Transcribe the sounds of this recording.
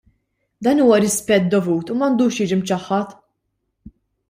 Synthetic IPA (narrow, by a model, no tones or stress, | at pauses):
d̪ɐːnuːwɐɾɪspɛt̪̚d̪ɔvuːt̪umɐnd̪uːʃjɪːd͡ʒimt͡ʃɐħːɐt̪